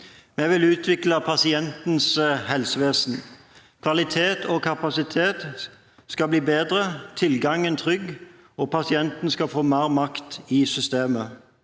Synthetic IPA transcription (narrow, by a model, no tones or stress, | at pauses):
mɛʋɪlʉːt̪ʰʋɪkləpʰɑsɪɛnt̪n̩shɛlsəʋeːsn̩ | kʰʋɑlɪt̪ʰeːt̪ʰɔkʰɑpɑsɪt̪ʰeːt̪ | skɑbliːbeːd̪ʁət̪ʰɪlɡɑŋənt̪ʰʁʏɡ | ɔpʰɑsɪɛnt̪n̩skɑfoːmeːʁmɑkt̪ɪsʏst̪eːmə